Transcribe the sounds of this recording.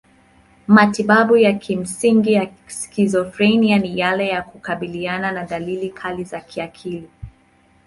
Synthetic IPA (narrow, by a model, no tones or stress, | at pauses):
matiɓaɓujakʰim̩siŋɡijakizɔfɾenianijalɛjakukaɓiliananaɗalilikʰalizakʰiakʰili